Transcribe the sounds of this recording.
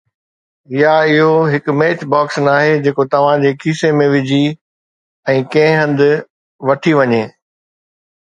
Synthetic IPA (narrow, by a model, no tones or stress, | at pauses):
ɪjaɪɦoɦɪkmeːt͡ɕbaːksnaːɦed͡ʑeːkot̪ɐʋ̤ãd͡ʑeːkʰiːsemẽʋɪd͡ʑʱi | ɛ̃ːkɐ̃ɦɪ̃ɦɐ̃nd̪ɪ̆ | ʋɐʈʰiʋɐɲeː